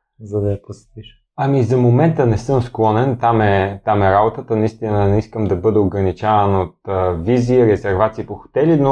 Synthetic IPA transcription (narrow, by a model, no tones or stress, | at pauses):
zɐd̪ɐɐposɛ̥t̪iʃ | ɐmizɐmomɛnt̪ənɛsɤmsklˠɔnɛnt̪amɛt̪amɛɾabot̪ət̪ənɐist̪inɐnɛiskəmd̪ɐbɤd̪ɛoɡɾɐnit͡ʃavənot̪ːviziɾɛzɛɾvat̪siːpoxo̥t̪ɛlino